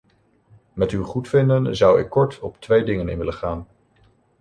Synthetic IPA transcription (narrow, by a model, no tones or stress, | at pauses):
mɛtywχutfɪndənzʌwɪ̰kːɔɹtɔptʋejdɪŋənɪ̰nʋɪləχaːn